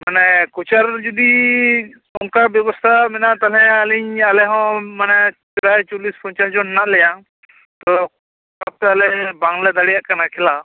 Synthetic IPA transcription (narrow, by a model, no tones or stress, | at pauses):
manɛkut͡ʃaɾd͡ʒɔd̪i | ɔnkabjɔbɔst̪ʰamɛnaʔt̪alɛ̃aliɲalɛɦɔ̃manɛt͡ʃɾajt͡ʃɔlispɔɲt͡ʃasd͡ʒɔnnaʔlɛjã | t̪ɔ | kap̚t̪ɛalɛbãŋlɛd̪aɽijaʔkanakʰɛla